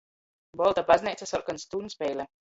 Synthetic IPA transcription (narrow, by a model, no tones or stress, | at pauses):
bɔlˠt̪abazʲnɛjt̪sasɔɾkanst̪uːnspɛjlʲɛ